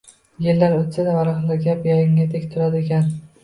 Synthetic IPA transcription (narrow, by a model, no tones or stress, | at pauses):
jelːaɾot̪sad̪avaɾɒχnaɡʲapjɒjɪŋʲat̪ʰekʲt̪ʰʊɾad̪ɪekʲʰan